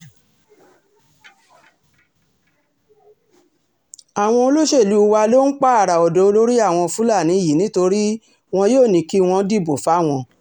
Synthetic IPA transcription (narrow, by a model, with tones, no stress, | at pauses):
a˨w̃ɔ̃˧o˧lo˦ʃe˦˨lu˨˦˧wa˧lo˦n̩˦k͡pa˦a˦˨ɾa˨ɔ˨dɔ˨˦o˧lo˦ɾi˦a˦˨w̃ɔ̃˧fũ˨˦la˦˨nĩ˨˦i˦˨ji˨nĩ˨˦to˧ɾi˦ | w̃ɔ̃˧joː˦˨nĩ˧˦ki˦w̃ɔ̃˧˦di˦˨bo˨fa˨˦˨w̃ɔ̃˧